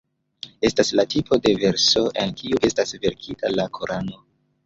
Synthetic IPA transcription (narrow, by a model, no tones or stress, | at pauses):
e̞staslatipo̞de̞ve̞ɾso̞ʔenkiuʔe̞stasve̞ɾkʰitalakʰoɾʔano